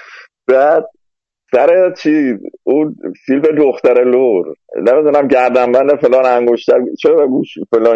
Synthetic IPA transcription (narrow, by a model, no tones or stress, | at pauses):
b̥æːd̪̚ | sæɾet͡ʃʰizuːsilbed̪oxt̪æɾeloɾnemid̪unæmɟæɾd̪æmbænd̪efelɒːnæŋɡoʃt̪æɾt͡ʃʰeæɡuːʃfelɒː